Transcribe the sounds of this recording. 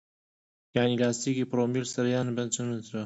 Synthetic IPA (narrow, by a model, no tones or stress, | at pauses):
jaʕniːlaːst̪iːkiːpɾoːmilsɐɾjaːnbɐnt͡ʃʰɨnɨt̪ʰɾɐ